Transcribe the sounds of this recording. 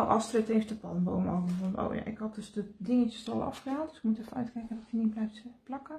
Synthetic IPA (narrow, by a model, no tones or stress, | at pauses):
ʔɑstrɪtefdəpɔdənboːmɔ̰əfɔno̰wja̰ʔɪ̰khɔtdøsdədɪŋətəstɔ̰lˠʔɑ̰fxəaːnd̥øsɪ̥kmutɛfənœ̰ɥtkɛjkəndɔtəniblɛjftplɑkə